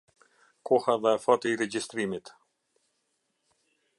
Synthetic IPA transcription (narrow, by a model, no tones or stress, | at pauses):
kʰɔhaðɛfɔt̪iɾɛd͡ʒist̪ɾimit̪